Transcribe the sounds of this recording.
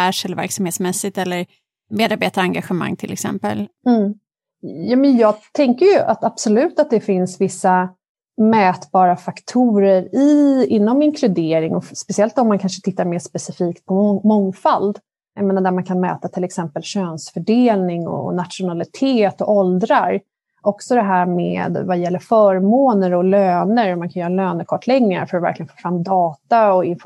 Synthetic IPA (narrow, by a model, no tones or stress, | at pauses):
æʂɛlːvæ̰ɾksamheːt̪smɛsɪt̪ɛlːəɾ | meːd̪aɾbeːt̪aɾaŋɡaɧɛma̰ŋːt̪ʰɪlɛ̰ksɛ̰mpə̰lm̩ː | jɑːmɛnjɑːɡt̪ʰɛŋkəɾjɵʔa̰t̪ab̥sɔlʉ̟ːt̪at̪̚d̪ɛfɪnsvɪsːa | mɛːt̪bɑːɾafakt̪ʰuːɾəɾɪɪnːɔmɪŋkʰlɵd̪eːɾɪŋɔspɛsɪɛlt̪ɔmːankʰanʂət̪ʰɪt̪ːaɾmeːʂpɛsɪfiːkt̪̚pʰɔmɔŋfald̪ | jajmeːnad̪æɾmankʰanmɛ̰ːt̪at̪ʰɪlɛksɛmpəlɕøːnsfœɖeːlnɪŋɔ̰nat̪ʂʊnalɪt̪ʰeːt̪ɔʔɔld̪ɾaɾ | ʔɔksɔd̪ɛɦæːɾmḛːd̪vajɛlːəɾfœːɾmoːnəɾɔløːnəɾɔmankʰanjœːɾaløːnəɾkʰɔʈːʰlɛɡaɾfœɾɔvæ̰ɾklɪɡənfoːfɾamːd̪ɑːt̪aɔɪnf